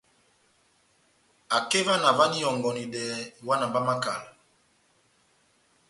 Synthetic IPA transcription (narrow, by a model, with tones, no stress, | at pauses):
a˨ke˦va˦na˨va˦ni˦jɔ˨ŋɡɔ˨ni˨dɛ˨wa˦na˨mba˦ma˦ka̰˨l